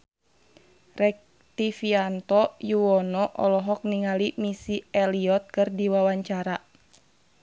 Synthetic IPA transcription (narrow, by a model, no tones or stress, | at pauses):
rɛk̚ | t̪ifiant̪ɔjuwɔnɔʔɔ̰lɔɦɔk̚niŋalimisiɛliɔt̪̚kɨrdiwawaɲt͡ʃaɾa